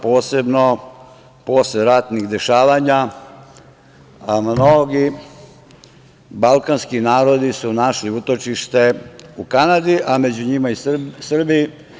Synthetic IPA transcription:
po̞ːse̞bno̞ | po̞sleɾat̪nixd̪e̞ʃaːʋaɲa | mnoɡi | balˠkanskinaːɾo̞d̪isunaʃliut̪o̞t͡ʃiʃt̪e̞ukanad̪iʔamed͡ʑuɲimaisrbiji

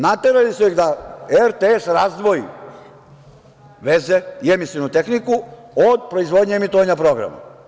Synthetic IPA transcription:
nat̪eɾalisuiɣd̪aeɾt̪esɾaːzd̪ʋo̞jḭ | ʋezeiemisinut̪exniku | od̪̚pɾo̞izʋod̪ɲeemit̪oʋaɲapɾo̞ɡɾa̰ma̰

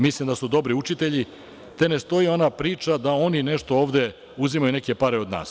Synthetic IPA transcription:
mislˠimd̪asud̪o̞bɾiut͡ʃit̪e̞ʎi | t̪e̞ne̞st̪o̞io̞napɾiːt͡ʃad̪ao̞nine̞ʃt̪o̞oːʋd̪e̞ | uzimajune̞ke̞paɾeo̞d̪na̰ːs

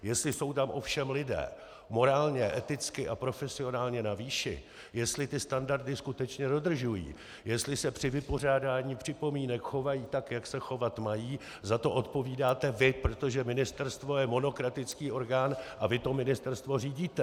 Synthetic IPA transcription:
jɛst̪lɪso̞wt̪amʔo̞fʃɛmlɪdɛ̰ː | mo̞ɾaːlɲɛʔɛt̪ɪt͡skɪʔapɾo̞fɛsɪo̞naːlɲɛnaviːʃɪ̰ | jɛst̪lɪt̪ɪst̪andaɾd̪ɪskut̪ɛt͡ʃɲɛdo̞d̪r̩ʒujḭː | jɛst̪lɪsɛpr̥ɪvɪpo̞r̝aːdaːɲiːpr̝̥ɪpo̞miːnɛkxo̞vajiːt̪akjaksɛxo̞vat̪majiː | zat̪o̞ʔo̞t̪po̞viːdaːt̪ɛvɪpɾo̞t̪o̞ʒɛmɪnɪst̪ɛɾst̪vo̞jɛmo̞no̞kɾat̪ɪt͡skiːʔo̞ɾɡaːnʔavɪt̪o̞mɪnɪst̪ɛɾst̪vo̞riːɟiːt̪ɛ

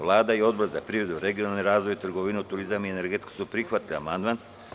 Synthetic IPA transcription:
ʋlˠaːd̪aio̞d̪̚boɾzapɾiʋɾed̪uɾe̞ɡijonalniɾaːzʋojit̪r̩ɡoʋineut̪uɾizamiene̞ɾɡet̪ksupɾixʋat̪lia̰mand̪man

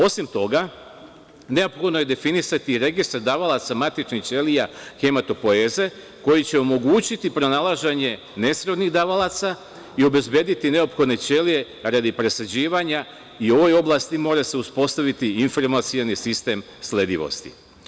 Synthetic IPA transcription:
o̞simt̪o̞ɡa | ne̞o̞pxod̪noje̞d̪e̞finisat̪iɾe̞ɡist̪aɾd̪aʋalat̪samat̪it͡ʃnixt͡ʃe̞lijaxe̞mat̪o̞po̞e̞ːze̞ | ko̞jit͡ɕe̞o̞mo̞ɡuːt͡ɕit̪ipɾo̞nalˠaʒeɲe̞ | ne̞sɾo̞d̪niɣd̪aʋalat̪sa | io̞be̞zbje̞ːd̪it̪ine̞opxod̪ne̞t͡ʃe̞lije̞ | ɾad̪ipɾe̞sad͡ʑiːʋaɲa | io̞ʋo̞jo̞blast̪imo̞ːɾase̞uspo̞st̪aʋit̪iinfoɾmat̪sionisist̪e̞m | slʲe̞d̪iʋo̰st̪ḭ

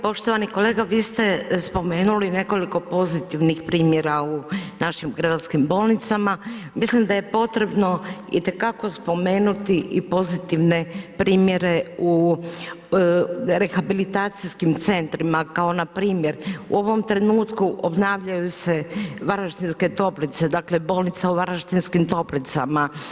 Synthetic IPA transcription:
po̞ʃt̪o̞ʋaniko̞le̞ːɡaʋiːst̪e̞spo̞me̞ːnuline̞ko̞liko̞po̞zit̪iʋnixpɾiːmje̞ɾaunaʃimɡɾadaskimbo̞ːlˠnit̪samamislimd̪ajepo̞t̪ɾe̞bno̞ḭt̪e̞kako̞spo̞me̞ːnut̪iʔipo̞zit̪iʋne̞pɾiːmje̞ɾe̞u | ɾe̞xabilit̪aːt̪siskimt̪se̞nt̪ɾimakao̞napɾiːmje̞ɾṵo̞ʋo̞mt̪ɾe̞nuːt̪kuʔobnaːʋʎajuse̞ʋaɾaʃt̪inske̞t̪o̞plit̪se̞d̪aːkle̞bo̞ːlnit̪sauʋaɾaʃt̪inskimt̪o̞plit̪sa̰ma

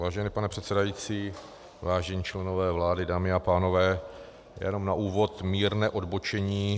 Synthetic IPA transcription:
vaːʒɛnɪpanɛpr̥ɛt̪sɛdajiːt͡siː | vaːʒɛɲiːt͡ʃlɛno̞vɛːvlaːdɪdaːmɪapaːno̞vɛː | jjɛ̰no̞mnaʔuːvo̞t̪miːɾnɛːʔo̞dbot͡ʃɛɲiː

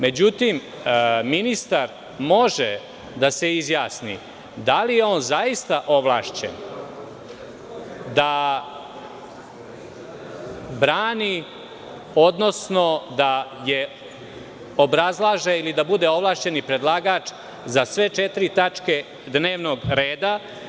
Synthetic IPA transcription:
me̞d͡ʑut̪im | minist̪aɾ | mo̞ʒe | d̪ase̞izjaːsnḭ | d̪alijeo̞ːnzaist̪aʔo̞ʋlˠa̰ːʃt͡ɕḛn | d̪a | bɾaːni | o̞d̪no̞sno̞d̪aje̞ | obɾazlˠaːʒeilid̪abud̪e̞o̞ʋlˠaːʃt͡ɕe̞nipɾed̪lˠaɡaːt͡ʂ | zasʋe̞t͡ʃet̪ɾit̪at͡ʂke̞ | d̪ne̞ːʋnoɡɾeːd̪a

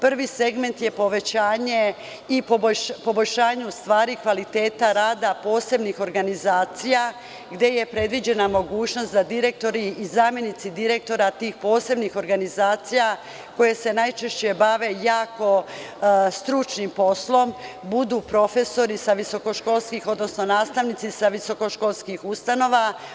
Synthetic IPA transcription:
pr̩ʋise̞ɡme̞nt̪je̞po̞ʋe̞t͡ɕaːɲe̞ | ipobpo̞bo̞ʎʲʃaːɲeust̪ʋaːɾikʋalit̪e̞ːt̪aɾaːd̪apo̞ːse̞bnixo̞ɾɡanizaːt̪sija | ɡd̪je̞je̞pɾe̞d̪ʋid͡ʑe̞namo̞ɡuːt͡ɕno̞st̪d̪ad̪iɾe̞k̚t̪o̞ɾiːzaːmje̞nit̪sid̪iɾe̞k̚t̪o̞ɾat̪iːxpo̞ːse̞bnixo̞ɾɡanizaːt̪sija | ko̞je̞se̞najt͡ʃe̞ʃt͡ɕe̞baʋe̞jaːko̞ | st̪ɾut͡ʃnimpo̞slˠo̞mbud̪uːpɾo̞fe̞so̞ɾisaʋiso̞ko̞ʃko̞lˠskixod̪no̞sno̞naːst̪aʋnit̪isaʋiso̞ko̞ʃko̞lˠskixust̪ano̞ʋa

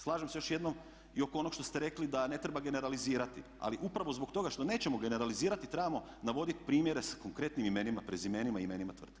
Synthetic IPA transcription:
slˠaːʒemsejo̞ʃje̞d̪nom | io̞koo̞no̞kʃt̪o̞st̪eɾe̞klid̪ane̞t̪ɾebaɡe̞ne̞ɾaliziːɾat̪i | a̰liʔupɾaʋo̞zbokt̪o̞ɡaʃt̪o̞ne̞ːt͡ɕemo̞ɡe̞ne̞ɾaliziːɾat̪it̪ɾebamo | naʋo̞d̪it̪pɾiːmjeɾe̞sḁko̞ŋkɾe̞t̪nimime̞nimapɾezimenimaime̞nimat̪ʋr̩t̪ke

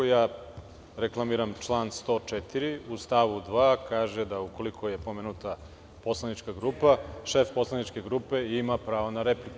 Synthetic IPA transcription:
ojaː | ɾeklˠamiːɾamt͡ʃlˠaːnst̪ot͡ʃet̪iɾiust̪aʋud̪ʋaːkaːʒed̪auko̞likʰo̞je̞po̞meːnut̪a | po̞slˠanit͡ʃkaɡɾuːpaʃefpo̞slˠanit͡ʃke̞ɡɾuːpe̞imapɾaːʋonaɾepliku

